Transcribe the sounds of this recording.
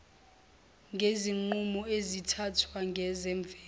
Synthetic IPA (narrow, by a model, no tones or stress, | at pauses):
ŋɡʱeziŋ͡ǃumɔezitʰatʰwaŋɡʱɛzɛɱb̪vʱɛː